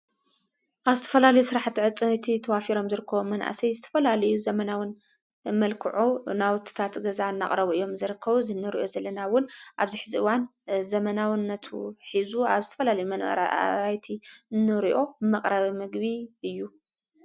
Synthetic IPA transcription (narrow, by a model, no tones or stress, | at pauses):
ʔaβzɨt̪ʰɐ̥fɐlalɐjusɨɾaħt̪ːiʕɨt͡sʼɨnɨt̪ʰit̪ʰɐwafiɾo̞mzɨɾɨkʰːɐβomɐnʔa̰sɐjzɨt̪ʰɐ̥fɐlalɐjuzɐmɐnawɨn | mɐlkʰɨʕunawʊt̪ʰi̥t̪ʰat̪ɡɐzaɨnːaχʼɾɐβuijːo̞mzɨɾɨkʰːɐβuzɨnːɨɾiʔo̞zɐlːɐnawʊnʔaβziħɨziʔɨwanzɐmɐnawnːɐt̪ʰuħizuaβzɨt̪ʰɐ̥fɐlalɐjumɐn̰ajt̪ʰinːɨɾiʔo̞mɐqʼɾɐβimɨɡβiʔɨjːu